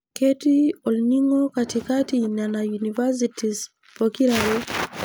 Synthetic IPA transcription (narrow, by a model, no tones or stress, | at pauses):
kɛtiɔlniŋɔkatikatinanajunivas̬itis | pɔkiɾaɾɛ